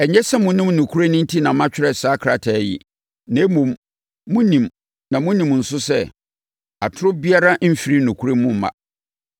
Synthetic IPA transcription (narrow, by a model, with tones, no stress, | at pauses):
ɛ˨ɲɛ˦sɛ˦mʊ̃˨nɪ̃˦mnũ˨kʰu˦ɾe˦nɪ̃˦n̩˦tʰi˦nã˨mã˦t͡ɕᶣɪ˦ɾɛ˨saː˨˦kʰɾa˨tʰɛ˨jɪ̰˨ | nã˨e˦mũ˨m | mʊ̃˦nĩ˨m | nã˨mʊ̃˦nĩ˨m˨n̩˨sʊ˦sɛ˦ | a˨tʰʊ˦ɾʊ˦bi˦a˦ɾa˦m̩˦fi˨˦ɾi˦nũ˨kʰu˦ɾe˦mʊ̃˦m˨mã̰˨